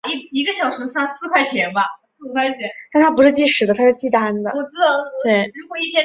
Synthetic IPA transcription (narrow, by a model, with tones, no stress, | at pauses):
i˧˥i˧˥ɡə˧ɕjɑ˨˩ʊʂɻ̩˧˥ɕjɑ˥˧ŋsɹ̩˥˧kʰwa˥˩ɪt͡ɕʰjɛ˧˥nbɐ˧sɹ̩˥˩kʰwa˥˩ɪt͡ɕʰjɛ˧˥nt̪a˥˩nt̪ʰa˥p̬u˧˥ʂɻ̩˥˧t͡ɕi˥˩ʂɻ̩˨˧˩d̪ə˧t̪ʰa˥ʂɻ̩˥˧˩t͡ɕi˥˧t̪a˥nd̪ə̰˩˨ɔ˨˩ʈ͡ʂɻ̩˥t̪ɑ˥˩ʊ˥˩twe˥˩ɪɻu˧˥kwɔ˨˩i˥˩ɕjɛ˥